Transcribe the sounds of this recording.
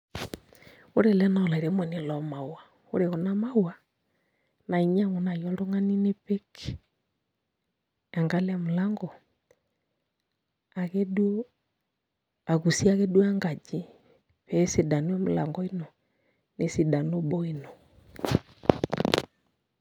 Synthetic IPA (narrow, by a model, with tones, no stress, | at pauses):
o˦ɾɛ˨lɛ˦na˨ɔ˨la˨i˨ɾɛ˨mwɛ˨ni˨lɔ˨˦ma˨wwa˨ | o̰˦ɾɛ˨ɣɔ˨na˦ma˦wwa˨ | na˨i˨ɲ˦a˦ŋu˨na˨jɔ˦ldɔ˦ŋa˦ni˦ne˦pɛ˦k | a˨ŋɡa˦lɛ˦˨mu˨la˦ŋɡɔ˨ | a˨ɣɛ˦ɗ | a˨ɣu˨si˦a˦ɣɛ˦ɗu˦a˦ŋɡa˨d͡ʒi˦ | pɛː˨˦si˨da˨nu˦a˦mu˨la̰˨ŋɡɔ˦i˦nɔ˨ | ne˨si˨da˨nu˦ɓɔ˦i˨nɔ˨